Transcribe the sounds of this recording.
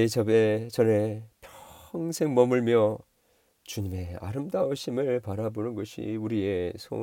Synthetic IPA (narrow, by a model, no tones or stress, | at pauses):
et͡ɕʌbe̞t͡ɕʌne̞pʰjʌŋsʰe̞ŋmʌmuɭmjʌ | t͡ɕuɲime̞a̰ɾɯmdauɕʰimɯɭpaɾabonɯnɡʌɕʰḭuɾie̞sʰo̰